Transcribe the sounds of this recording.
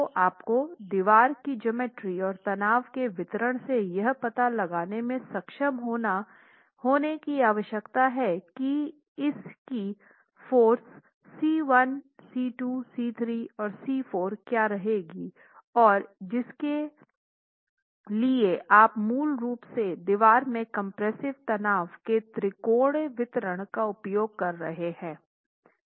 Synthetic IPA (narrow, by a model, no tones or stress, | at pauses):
ʔaːpkod̪ɪʋaːɾkid͡ʒɐmeːʈɾiɔːɾt̪ɐnaːʋkeʋɪt̪ɾəɽ̃sejɐɦpɐt̪alɐɡaːnemẽsɐkʃəmɦoːna | hoːnekiaːʋəʃjəkt̪aɦɛki | ɪski | foːɾsː | iːʋɐnsiːʈusiːt̪ʰɾiːɔːɾsiːfoːɾkjaːɾɐɦeːɡi | ɔːɾd͡ʒɪske | lieʔaːpmuːlɾuːpsed̪ɪʋaːɾmẽkɐ̃mpɾɛsɪʋt̪ɐnaːʋket̪ɾɪkoːɽʋɪt̪ɾəɽ̃kaʊpjoːɡ̚kɐɾːɐɦehɛ̃ː